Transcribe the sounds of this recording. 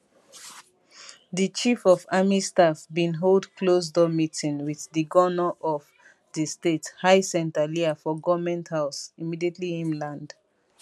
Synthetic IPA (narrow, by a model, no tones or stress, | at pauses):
ðət͡ʃifɔvamistafbĩnɦoldkʰlozdɔmitĩnwiððəɡɔnɔʔɔv | ðəstethaɪsɛ̃ntəliafɔɡɔmɛ̃nthaʊsimidiətʰliĩnlãnd̥